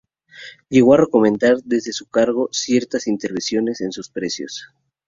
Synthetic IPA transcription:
ʎe̞ɣ̞o̞areko̞mẽ̞nd̪aɾd̪e̞zðe̞sukaɾɣo̞sje̞ɾt̪asint̪e̞ɾβensjo̞ne̞se̞nsuspɾe̞sjo̰s

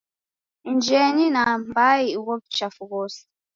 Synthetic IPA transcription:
n̩d͡ʒɛninambajiʔwɔp̚t͡ʃafuɡos

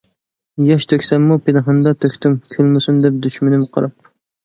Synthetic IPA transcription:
jɑʃt̪ʰøkʲsɛmːupʰenɨɦɨnd̪ɑt̪ʰøkʲʰt̪ymkʲʰølmusund̪ɛp̚d̪yʃmɪnɪmqʰɑ̰ɾɑp̚

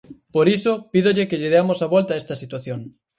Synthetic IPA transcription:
poɾisopiðoʎɪkeʎɪðeamosaβɔlt̪aest̪ɐsit̪waθjoŋ

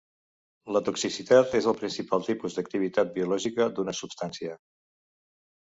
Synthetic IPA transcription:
lət̪uksisit̪at̪ezəlˠpɾinsipalˠt̪ipuzd̪ək̚t̪iβ̞it̪at̪̚biulɔʒikəd̪unəsupst̪ansiə

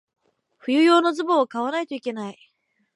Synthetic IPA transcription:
ɸɯ̟jɯ̟jo̞ːnozɨboːkaβanait̪oike̞nai

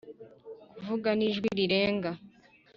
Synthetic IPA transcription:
kuvuɡaniʒɡwiɾiɾeːŋɡa

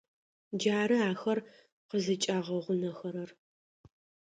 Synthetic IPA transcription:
d͡ʒaːɾɨaːxɐr | qəzɨt͡ʃʼaːʁɐʁʷʊnɐxɐɾɐr

